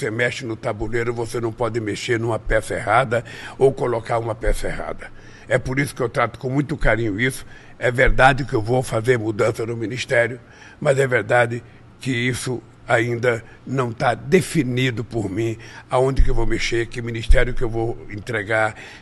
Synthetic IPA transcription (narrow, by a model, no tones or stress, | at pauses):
semɛʃɪnʊt̪abulejɾʊvosenɐ̃w̃pɔd̪ɪmeʃeɾnũmɐpɛsɐehad̪ɐowkolokaɾũmɐpɛsɐeha̰d̪ɐ | ɛpoɾisʊ̥kɪewt̪ɾat̪ʊ̥kõmũj̃t̪ʊkaɾĩɲʊisʊ̥ | ɛveɾd̪ad͡ʒɪkɪewvowfazeɾmud̪ɐ̃sɐd̪ʊmĩnist̪ɛɾjʊ | mɐzɛveɾd̪ad͡ʒ̪ɪ | kɪisʊ | aĩnd̪ɐ | nɐ̃w̃t̪ad̪efinid̪ʊpoɾmĩaõd͡ʒ̪ɪkewvowmeʃeɾkɪmĩnist̪ɛɾjʊkɪewvowẽt̪ɾeɡaɾ